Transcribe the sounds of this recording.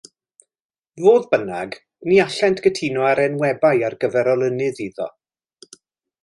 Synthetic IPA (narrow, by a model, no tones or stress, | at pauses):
voːðbənaɡ | niaɬɛntʰɡ̥ətʰinɔaɾɛnwɛbajarɡəvɛɾɔlˠənɨðiðɔ̰